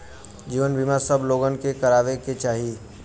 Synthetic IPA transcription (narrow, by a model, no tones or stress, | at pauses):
d͡ʒiːʋənbʱimaɾsɐbloːɡənkekɐɾaːʋeket͡ʃaːɦiː